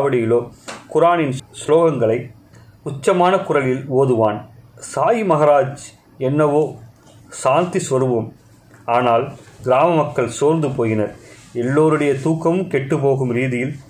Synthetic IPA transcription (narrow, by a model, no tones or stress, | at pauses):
ʋɐɽɪjɪloːkʊɾaːnɪnsloːɣɐŋɡɐɭɐɪ | ʊt͡ʃːɐmaːnɐkʊrɐlɪloːðɯʋaːnsaːjimɐɣɐɾaːd͡ʒ | ɛnːɐʋoː | saːnt̪isʋɐɾɯʋɯm | aːnaːlɡɪɾaːmɐmɐkːɐɭsoːɾnd̪ɯpoːɣɪnɐɾ | ɛlːoːɾɯɽɐjɐt̪uːkːɐmɯmkɛʈːɯpoːɣɯmɾiːðɪjɪl